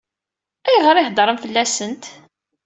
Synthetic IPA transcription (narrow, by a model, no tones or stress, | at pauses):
æjʁəɾiħd̪ˤɾˤəmfəlːæsənt̪